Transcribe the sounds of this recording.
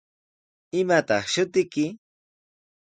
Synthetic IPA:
ɪmat̪ɑχʃʊt̪ɪkɪ

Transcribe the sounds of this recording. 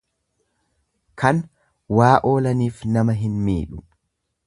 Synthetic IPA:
kʰɐn | waːʔo̞ːlɐniːfnɐmɐɦɪnmḭːᶑʊ

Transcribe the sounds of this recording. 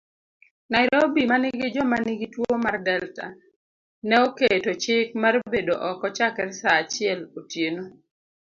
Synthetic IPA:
naɪɾobimanɪɡɪd͡ʒɔmanɪɡɪtwomardɛlta̰ | nɛoketot͡ʃɪkmarbedoʔɔkɔt͡ʃakɛrsaːt͡ʃɪɛlotjeno

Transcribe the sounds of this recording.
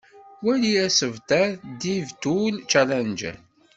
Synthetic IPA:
wæliæsəvt̪æd̪ivt̪ult͡ʃælænd͡ʒæ̰n

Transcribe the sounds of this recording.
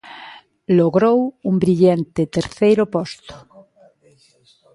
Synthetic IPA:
loɣɾowumbɾiʎant̪et̪eɾθejɾopɔst̪o̥

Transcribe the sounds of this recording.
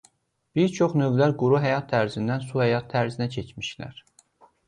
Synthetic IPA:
b̥iɾt͡ʃʰoχnøvlæɾɡuɾuɦæjɑt̪ʰːæɾzind̪ænsuhæjɑt̪ʰːæɾzinæcʰet͡ʃmiʃlæ̰ɾ̥

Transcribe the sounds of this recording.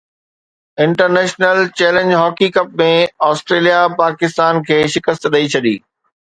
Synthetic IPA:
ɪ̃ɳʈəɾnɛːʃnəlt͡ɕɛːlẽnd͡ʑɦɔːkikɐp̚mẽɔːsʈɾeːlijapaːkɪst̪aːnkʰeːʃɪkəst̪ɗɐit͡ɕʰɐɗḭː

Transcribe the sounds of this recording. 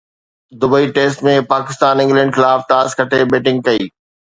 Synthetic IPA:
d̪ʊbəiʈeːsʈmẽpaːkɪst̪aːnɪ̃ŋɡlɛ̃ːɳɖxɪlaːfʈaːskɐʈʰebeːʈɪ̃ŋɡ̚kɐiː

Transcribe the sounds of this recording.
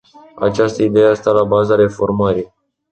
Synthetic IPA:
a̰t͡ʃast̪əid̪e̞jast̪alabazaɾe̞fo̞rməɾi

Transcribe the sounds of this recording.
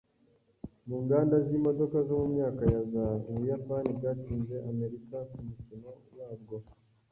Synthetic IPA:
muːŋɡaːndazimo̞do̞kazo̞mumɲaːkajazauβujapaniɡatiːnze̞ʔame̞ɾikakumucino̞waːbɡo̞

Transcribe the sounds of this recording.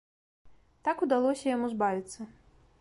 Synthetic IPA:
t̪akud̪alˠɔsʲɐjamuzbavʲit̪sːɐ

